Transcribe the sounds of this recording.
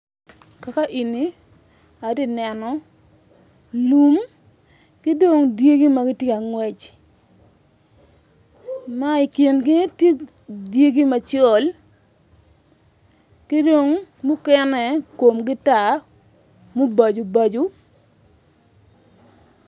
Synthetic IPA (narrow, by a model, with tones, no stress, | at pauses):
ka˨ka˦ʔi˨ni˨˦ | a˨di˦˨nɛ˨nɔ˨ | lu˦m | kɪ˦do˨ŋdje˦ɡi˦ma˦ɡɪ˦tje˦a˨ŋwɛ˨t͡ʃ | a˦i˨kji˨nɡɪ˦tje˦ | dje˦ɡi˦ma˨t͡ʃɔ˨l | kɪ˦do˨ŋmʊ˦kɛ˦nɛ˨ko˨mɡɪ˦ta˨ | mo˦ba˨d͡ʒo˨ba˨d͡ʒu˦